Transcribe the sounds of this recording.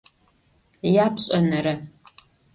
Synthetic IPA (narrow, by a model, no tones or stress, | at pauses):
jaːpɕʼɐnɐɾɐ